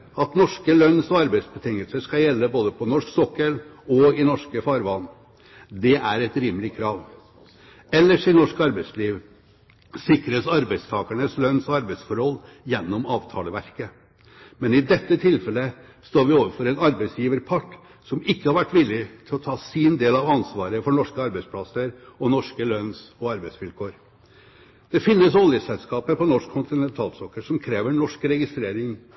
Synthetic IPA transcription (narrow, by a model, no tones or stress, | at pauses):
ɑt̪nɔʂkəlœnːsɔɑɾbæɪsbət̪ʰɪŋəlsəʂkɑjɛlːəboːd̪əpʰɔnɔʂksɔkːəlɔɪnɔʂkəfɑːɾʋɑnː | d̪ɛʔæɾɛt̪ɾiːməlɪkʰɾɑːʋ | ɛlːəʂɪnɔʂkɑɾbæɪsliːʋ | sɪkɾəsɑɾbæɪst̪ʰɑːkəɳəslœnːsɔɑɾbæɪsfɔɾhɔlː | jɛnːɔmɑːʋt̪ʰɑ̰ːləʋæɾkə | mɛnɪd̪ɛt̪ːət̪ʰɪlfɛlːə | st̪oːɾʋɪoːʋəɾfɔɾɛnɑɾbæɪsjiːʋəɾpʰɑʈː | sɔmɪkːəhɑɾʋæʈːʋɪlːɪt̪ʰɪlɔt̪ʰɑːsiːnd̪eːlɑʋɑnsʋɑːɾəfɔɳɔʂkəɑɾbæɪspʰlɑsəɾɔnɔʂkəlœnsɔɑɾbæɪsʋɪlkʰoːɾ | d̪̥ɛfɪnːəsɔljəsɛlskɑːpəpɔnɔʂkʰʊnt̪ɪnɛnt̪ʰɑːlsɔkːəʂɔmkʰɾeːʋəɳɔʂkɾɛɡɪst̪ɾeːɾɪŋ